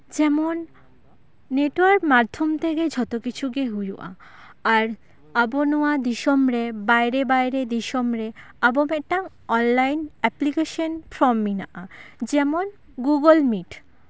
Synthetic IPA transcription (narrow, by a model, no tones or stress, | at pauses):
d͡ʑɛmonː | eʈwaɾkmad̪ʱomt̪ʰeked͡ʑʱɔt̪okit͡ɕʰuɡeɦujṵʔa̰ | aɾ | abonuad̪iʃomɾebajɾebajɾed̪iʃomɾe | abomɛk̚ʈa | ɔnlajnɛplikeʃonpɾɔmːina̰ʔad͡ʑɛmon | ɡuɡolmiʈ